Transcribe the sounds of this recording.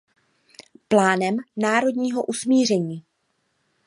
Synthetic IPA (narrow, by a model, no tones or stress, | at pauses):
plaːnɛmnaːɾo̞dɲiːɦo̞ʔusmiːr̝ɛɲiː